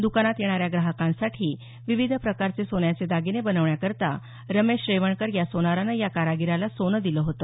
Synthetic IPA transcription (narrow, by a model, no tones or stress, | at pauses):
d̪ukanat̪jeɽ̃aɾjaɡɾaɦəkãnsaʈʰiː | ʋiʋid̪ʱəpɾəkaɾt͡sesonjat͡sed̪aɡinebənəʋɳjakəɾt̪a̰ | ɾəmeɕɾeʋəɳkəɾjasonaɾanəjakaɾaɡiɾalasonəd̪iləɦot̪ə